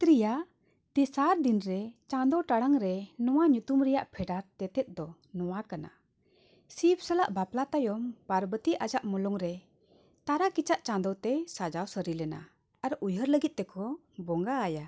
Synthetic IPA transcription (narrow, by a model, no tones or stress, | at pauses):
t̪ɾija | t̪ɛsaɾd̪inɾɛt͡ʃãd̪ɔwʈaɽaŋɾɛnɔwaɲut̪umɾɛjaʔpʰɛɖaɾt̪ɛt̪ɛt̪̚ˀd̪ɔ | nɔwakana̰ | sip̚ʰsəlaʔbaplat̪ajɔmpaɾbət̪iʔad͡ʒaʔmɔlɔŋɾɛ | t̪aɾakit͡ʃaʔt͡ʃãnd̪ɔwt̪ɛsad͡ʒawsəɾilɛna̰ | aɾʔujɦəɾləɡit̪̚ˀːt̪ɛkʰɔ | bɔŋɡaːja